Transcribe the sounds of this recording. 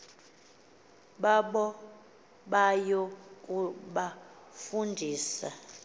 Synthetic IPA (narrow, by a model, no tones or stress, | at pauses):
ɓaɓɔ | ɓajokʼuɓa | fundʱiːsa